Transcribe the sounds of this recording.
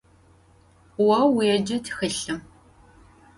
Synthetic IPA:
wɐwːijɛd͡ʒɐtʰxɨɬɨm

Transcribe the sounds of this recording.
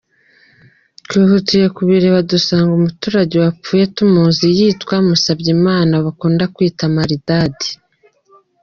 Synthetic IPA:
tkwiːhutije̞kuβiɾe̞βadusaːŋɡumutuːɾaɟewap͡fuːje̞tumuːnzijiːtkwamusabɟimaːnaβakuːndakwiːtamaɾidaːdi̥

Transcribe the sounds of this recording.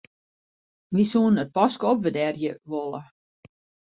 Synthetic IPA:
ʋisuənət̚pɔskəɔpʋədɛrjəʋolˠə

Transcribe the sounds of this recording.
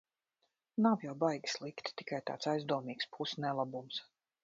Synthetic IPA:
nawjawbajɡʲi̥slˠikt̪t̪i̥kajt̪a̰ːt̪sajzd̪uɔmiːkspʰusnɛlˠabums

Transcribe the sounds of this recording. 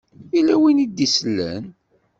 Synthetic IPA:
ilæwinid̪isəlːæ̰n

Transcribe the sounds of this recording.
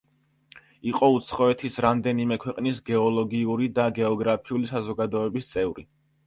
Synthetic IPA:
iqʼɔut̪sʰχɔɛt̪ʰisɾamd̪ɛnimɛkʰwɛqʼnisɡɛɔlˠɔɡiuɾid̪aɡɛɔɡɾapʰiulisazɔɡad̪ɔɛbist̪sʼɛvɾi

